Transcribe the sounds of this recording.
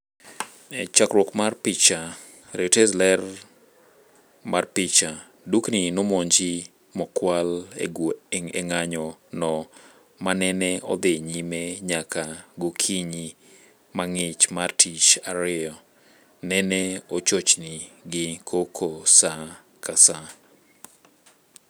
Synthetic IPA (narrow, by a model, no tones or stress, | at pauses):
ɛt͡ʃakɾwɔkmarpɪt͡ʃa | ɾetɛzlɛr | marpɪt͡ʃa | dukninʊmɔɲd͡ʒɪ | mɔkwalḛɡoeŋḛŋaɲɔnɔ | manɛnɛɔ̰d̪ɪɲimeɲakaɡokʰiɲi | maŋɪt͡ʃmartʰit͡ʃaɾɪɔ | nɛnɛot͡ʃot͡ʃnɪɡɪkʰokʰosa | kasa